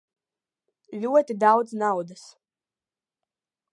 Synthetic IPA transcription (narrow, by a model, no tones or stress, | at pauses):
ʎʲuɔt̪id̪awd̪znawd̪as